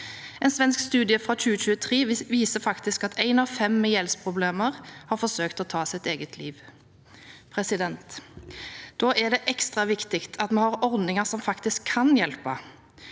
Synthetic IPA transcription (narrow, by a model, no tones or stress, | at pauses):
ɛnsʋɛnskst̪ʉːd̪ɪəfʁɑːc͡çʉːəc͡çʉːət̪ʰʁeːʋiːsəfɑkt̪ɪskɑt̪ʰæɪnɑfɛmːɛjɛlspʰʁʊbleːməʁhɑʁfɔsøːkt̪ɔːt̪ʰɑːsɪt̪eːɡət̪ʰliːʋ | pʰʁɛsɪd̪ɛnt̪ | d̪̥oːʔæd̪ɛːʔɛkst̪ʁɑʋɪkt̪ɪkt̪ʰɑt̪mɛhɑʁɔʁd̪nɪŋəsɔmfɑkt̪ɪskʰːɑnjɛlpə